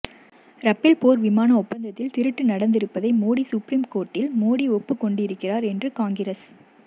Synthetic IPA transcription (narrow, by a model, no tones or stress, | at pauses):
ɾɐpːɪlpoːɾʋɪmaːnɐɔpːɐnd̪ɐt̪ːɪlt̪ɪɾɯʈːɯnɐɽɐnd̪ɪɾɯpːɐðɐɪmoːɽisʊpɾiːmkoːʈːɪlmoːɽiɔpːɯkːɔɳɖɯɪɾɯkːɪraːɾɛndrɯkaːŋɡɪɾɐs